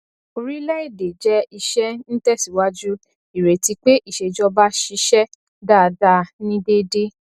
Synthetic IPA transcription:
o˧ɾi˦lɛ˦i˦˨de˨d͡ʒɛ˦i˧ʃɛ˦n̩˦tɛ˦˨si˨˦wa˦d͡ʒu˦ | i˨ɾe˨ti˧k͡pe˦ʔi˦˨ʃe˨d͡ʒɔ˧ba˦ʃi˧˦ʃɛ˦ | da˦˨da˧nĩ˦de˦de˦

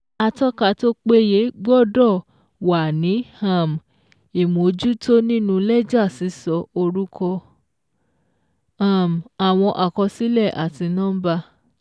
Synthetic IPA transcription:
a˧tɔ˦ka˧˨to˦k͡pe˦je˨˦ɡ͡bɔ˦˨dɔ˦˨ | wa˨nĩ˨˦hã˦˨m˨ | i˨mo˨d͡ʒu˦to˦nĩ˦nũ˦˧lɛ˦d͡ʒa˦˨si˨˦sɔ˧o˧ɾu˦kʰɔ˧ | ã˦˨m˨a˨w̃ɔ̃˧ʔa˨kɔ˧si˨˦lɛ˦˨ʔa˨ti˧nɔ̃ː˦ba˧

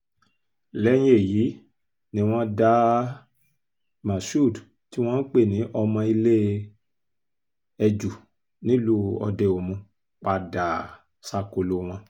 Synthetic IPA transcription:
lɛ˦j̃e˦˨ji˨˦ | nĩ˧˦w̃ɔ̃˦da˦ | mã˨su˦˨d | ti˦w̃ɔ̃˦n̩˦k͡pe˦˨nĩ˨˦ʔɔ˧mã˧i˧le˦ | ɛ˧d͡ʒu˨ | nĩ˦lu˦ɔ̰˧de˧o˨mũ˧ | k͡pa˧da˨ | sa˦˨ko˨˧lo˧˦w̃ã˧

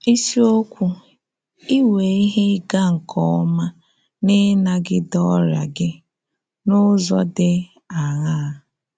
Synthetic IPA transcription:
i˦si˦o˦kʷu˦ | i˦we˨i˦ɦe˦ɡa˦ŋ̩˨kʰɔ˦ɔ˦ma˦ | nɪ˦na˦ɡɪ˦dɔ˦ɾa̰˨ɡɪ˦ | nʊ˦zɔ˦dɪ˦ | a˨ɣa˦˨

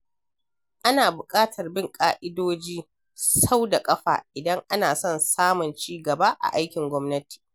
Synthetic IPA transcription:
ʔa˦naː˨bʊ˨kʼaː˦tʰɐ˨rbɪ˦ŋkʼaː˦ʔɪ˦doː˦d͡ʒiː˦ | sa˦wda˨kʼɐ˦ɸa̰ː˨ʔɪ˨dɐ˦ŋʔa˦naː˨sɔ˦nsaː˦mʊ˨nt͡ʃiː˦ɡɐ˨ba˦ʔa̰˨ʔa˦jkʲɪ˨ŋɡʷɔ˦mnɐ˦ti̥ː˨

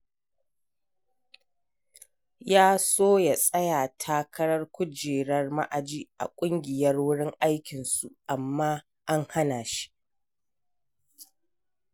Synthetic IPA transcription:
jaː˦soː˦ja˨sʼɐ˦jaː˨tʰaː˦kʰɐ˦ɽɐ˦rkʷʊ˦d͡ʒeː˨ɽɐ˦rma̰˦ʔa˨d͡ʒiː˦ʔa̰˨kʷʼʊ˦ŋɡʲɪ˨jɐ˦rwʊ˦ɽɪ˦ŋʔa˦jkʲɪ˨nsu˨ʔa˨mːaː˦ | ʔa˦ŋha˦naː˨ʃi̥˦ʔ

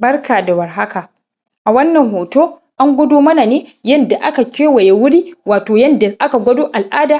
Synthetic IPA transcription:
bɐ˦rkʰaː˨da˨wɐ˨rɦa˦ka˨ | ʔa˨wɐ˦nːɐ˨ŋɦoː˨toː˦ | ʔa˦ŋɡʷʊ˦doː˦mɐ˦na˨neː˦jɐ˦nda˨ʔa˦ka˨kʲeː˦wɐ˨je˨wʊ˦ɽiː˦waː˨toː˨jɐ˦nda˨ʔa˦ka˨ɡʷɐ˦doː˦ʔa˨lʔaː˦daː˨

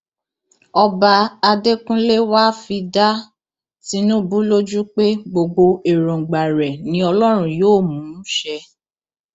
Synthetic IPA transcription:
ɔ˧ba˧a˧de˦kũ˦le˦wa˦fi˧da˦ | ti˦nũ˦bu˦lo˦d͡ʒu˦k͡pe˦ɡ͡bo˧ɡ͡bo˧e˨ɾɔ̃˨ɡ͡ba˨ɾɛ˨nĩ˨˦ɔ˧lɔ˦ɾ̃ũ˦joː˦˨mũː˨˦ʃɛ˧

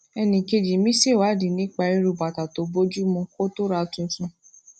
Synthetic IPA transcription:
ɛ˧nĩ˨ke˧d͡ʒi˨mĩ˦se˦˨wa˨˦˨di˨nĩ˨˦k͡pa˧ɾi˦ɾu˨˧˨ba˨ta˨to˨˦bo˦d͡ʒu˦mũ˧ko˦to˦ɾa˧tũ˧n̩˦sũ˧

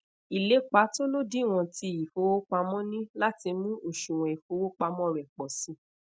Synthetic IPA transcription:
i˨le˨˦k͡pa˨˦to˦lo˦di˦˨w̃ɔ̃˧ti˧i˨fo˨˦wo˦k͡pa˧mɔ̃˦nĩ˦la˦ti˧mũ˦o˦˨ʃũ˨w̃ɔ̃˨i˨fo˨˦wo˦k͡pa˧mɔ̃˦˨ɾɛ˨k͡pɔ˨sĩ˨˦

